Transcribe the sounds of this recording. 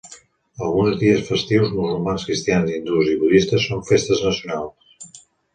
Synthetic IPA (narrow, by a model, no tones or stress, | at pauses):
əlˠɣunzðiəsfəst̪iwzmuzulˠmanskɾist̪ianziind̪uziβuðist̪əsːoɱfest̪əznəsiunalˠs